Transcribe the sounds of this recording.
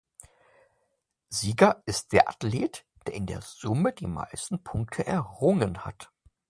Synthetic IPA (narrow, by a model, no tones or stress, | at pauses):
ziːɡɐʔɪst̚d̥eːɐʔa̰tleːt | d̥eːɐɪndḛːɐzʊmədḭːma̰ɪstn̩pʰʊŋk̚tʰəʔɛɐʁʊŋənha̰t